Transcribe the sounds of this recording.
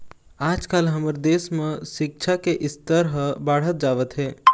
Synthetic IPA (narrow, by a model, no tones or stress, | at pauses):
aːd͡ʒkaːlɦəməɾd̪eːsmẽsɪk̚t͡ʃʰakeʔɪst̪əɾɦəbaːɽ̤ət̪̚d͡ʒaːʋət̪ɦɛː